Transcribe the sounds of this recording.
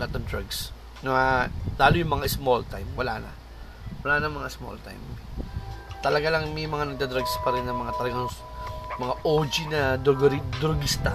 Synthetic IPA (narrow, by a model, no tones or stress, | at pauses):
lat̪ond̪ɾaɡs | nɐalaːlʊjʊŋmɐŋasmolt̪ajmwɐlanɐ̰ | wɐlaːnɐmɐŋaɪsmo̰lt̪a̰jm | t̪ɐlɐɡalɐŋmɛjmɐŋanɐɡ̚d̪ad̪ɾaɡspɐɾɛnːɐmɐŋat̪ɐlɐɡaŋ | mɐŋaʔoːd͡ʒinɐd̪oɡɾid̪ɾoɡɪst̪a